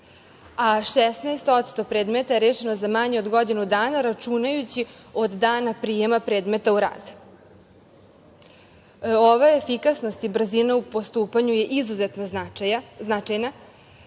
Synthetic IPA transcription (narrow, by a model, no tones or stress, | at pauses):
aʃɛsnaest̪o̞t̪st̪o̞pɾe̞ːd̪me̞t̪aeɾe̞ːʃe̞no̞zamaɲeo̞d̪ɡo̞d̪inud̪aːnaɾat͡ʃunajut͡ɕi | o̞d̪ːaːnapɾijemapɾe̞ːd̪me̞t̪auɾa̰ːd̪̥ | oʋaefikasno̞st̪ibr̩zinaupo̞st̪uːpaɲuje̞ʔizuze̞t̪no̞naajaznat͡ʃajna